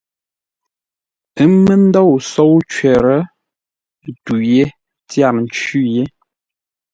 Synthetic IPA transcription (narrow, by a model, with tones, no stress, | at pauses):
ə˦mə˦n˦dɔ˦˨wso˦wt͡ʃɛ˨ɾə˦˨ | tu˨je˦ | tja˦˨ɾn̩˨˦t͡ʃʉ˦je˦